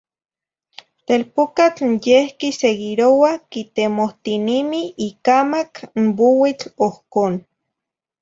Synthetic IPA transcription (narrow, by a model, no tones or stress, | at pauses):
t̪elpokat͡ɬjehkiseɣiɾowakit̪emoht̪inimiikamakmbowit͡ɬohkoːn